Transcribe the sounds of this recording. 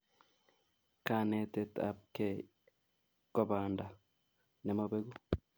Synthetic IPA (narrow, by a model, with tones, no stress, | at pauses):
ka˨ne˨te˦ta̰˦p̚ke˨ | ko˨βaːnda˨ | ne˨moβe˦ɣu˦